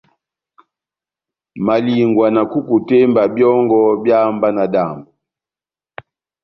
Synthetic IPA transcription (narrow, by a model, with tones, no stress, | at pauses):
ma˨li˨ŋɡwa˨na˨ku˦ku˨tɛ˦mba˨bjɔ˦ŋɡɔ˦bja˦mba˦na˨da˨mbu˨